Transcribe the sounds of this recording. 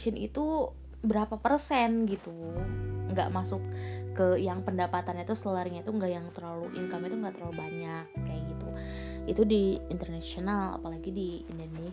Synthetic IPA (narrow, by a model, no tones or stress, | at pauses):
t͡ʃɪnḭt̪u | bəɾapapərsɛnɡit̪u | ŋɡa̰ʔmasʊkːəjaŋpəndapat̪anɲait̪usləlarɲait̪uŋɡaʔjaŋt̪ərlaluʔḭŋkamit̪uŋɡaʔt̪ərlalubaɲak̚jaɡit̪u | it̪udiint̪ərnasionala̰palaɡidiindone